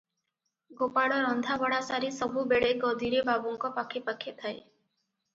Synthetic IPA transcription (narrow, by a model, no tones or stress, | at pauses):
ɡopaɽɔɾɔnd̪ʱabɔɽasaɾisɔbʱubeɽeɡɔd̪ʱiɾebabɔŋkɔpakʰepakʰet̪ʰae